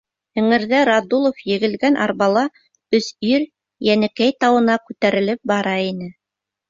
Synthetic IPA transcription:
ɘ̆ŋɘ̆ɾðæɾɑd̪ulˠofjɘ̆ɣɘ̆lɡænʔɑ̰ɾβɑlˠɑ | ɵ̆siɾ | jænɘ̆kæjt̪ɑwɤ̆nɑkʉt̪æɾɘ̆lɘp̚bɑɾɑinɘ

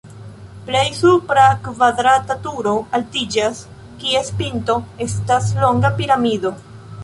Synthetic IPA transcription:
ple̞jsupɾakvadɾatatuɾo̞altid͡ʒas | kie̞spinto̞e̞staslo̞ŋɡapiɾamido̞

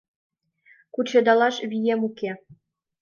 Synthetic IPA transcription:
kut͡ɕɤ̆d̪ɑlˠɑʃβʲijemuke

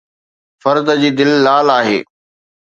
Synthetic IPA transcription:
fɐɾd̪əd͡ʑiːd̪ɪlːaːlaːɦḛː

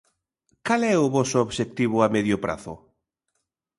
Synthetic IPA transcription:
kalɛʊβɔsʊoβʃek̚t̪iβʊamɛðjʊpɾa̰θʊ̰

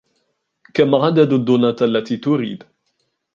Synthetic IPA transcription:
kamaʕad̪ad̪ad̪ːʊnat̪ʔalːat̪iːt̪ʊɾḭːd̪

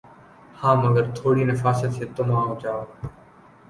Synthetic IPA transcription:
hãːməɡəɾt̪ʰoːɽiːnəfaːsət̪eːt̪ʊmãːõːt͡ʃaːoː

